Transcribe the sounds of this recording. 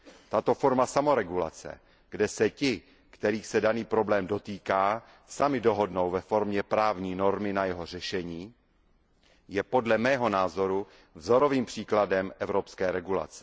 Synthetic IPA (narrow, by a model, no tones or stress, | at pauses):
t̪at̪o̞fo̞ɾmasamo̞ɾɛɡula̰t͡sɛ̰ | ɡ̥dɛsɛcɪ | kt̪ɛɾiːxsɛdaniːpɾo̞blɛːmdo̞t̪iːkaː | samɪdo̞ɦo̞dno̞wvɛfo̞ɾmɲɛpɾaːvɲiːno̞ɾmɪnajɛɦo̞r̝ɛʃɛɲiː | jɛpo̞dlɛmɛːɦo̞naːzo̞ɾu | vzo̞ɾo̞viːmpr̝̥iːkladɛmʔɛvɾopskɛːɾɛɡula̰t͡sɛ̥